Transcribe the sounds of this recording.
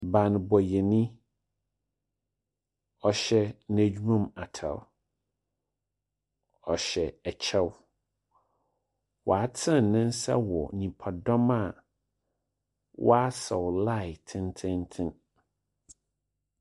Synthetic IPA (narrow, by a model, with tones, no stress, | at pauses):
bã˨n˨bɔ˨jɛ˨nĩ˦ | ɔ˨ɕɛ˦næ˨d͡ʑᶣu˦ã˦˨ma˨tʰa̰˨w | ɔ˨ɕɛ˨ɛ˨t͡ɕʰɛ˦w | wʔɔ̰˨a˨tʰɪ̃˦˨n˨nːɪ̃˦n˦sa̰˦wɔ˨nĩ˨pʰa˨dɔ̃˦ma˨ | wʔɔ̰˦a˦sɛ˨wla˦ɪ˨tʰɪ̃˦ntʰɪ̃˦ntʰɪ̃˦n